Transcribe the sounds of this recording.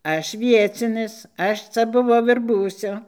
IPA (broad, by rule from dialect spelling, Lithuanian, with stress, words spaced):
ˈɐʃ ˈʋʲiɛt͡sʲɪnʲɪs ˈɐʃ ˈt͡sɐ bʊˈʋɐʊ ɪr ˈbuːsʲʊ